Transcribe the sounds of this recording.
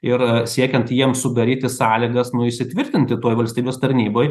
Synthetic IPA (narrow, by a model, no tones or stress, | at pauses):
ɪɾsʲiɛkʲɛnt̪jiɛmsʊd̪ɐɾʲiːt̪ʲɪsɑːlʲiɡɐsnʊɪʃʲsʲɪt̪ʲʋʲɪɾʲt̪ʲɪnʲt̪ʲɪt̪oːjʋɐlʲsʲt̪ʲiːbʲeːst̪ɐɾʲnʲiːboːj